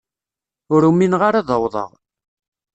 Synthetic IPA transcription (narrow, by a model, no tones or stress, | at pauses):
ʊɾuminʁaɾɑðˤəwðˤə̰ʁ